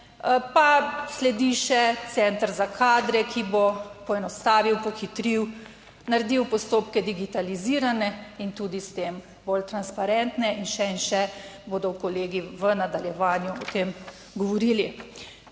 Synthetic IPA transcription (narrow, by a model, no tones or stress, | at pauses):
paslɛd̪iʃɛt̪sɛnt̪əɾzakʰaːd̪ɾɛkʰibopɔɛnɔst̪aːʋiwpɔxit̪ɾiw | naɾɛd̪iwpɔst̪oːpkɛd̪iɡit̪aliziːɾanɛint̪ud̪ist̪eːm | bolt̪ɾanspaɾɛnt̪nɛʔinʃɛinʃɛboːd̪ɔwkɔleːɡiʋənad̪aljɛʋaːnjuɔt̪eːm | ɡɔʋɔɾiːli